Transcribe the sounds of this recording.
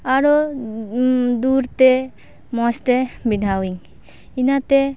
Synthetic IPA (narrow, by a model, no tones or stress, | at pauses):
aɾɔ | d̪uɾt̪ɛ | mɔst̪ɛbinawiŋ | inat̪ɛ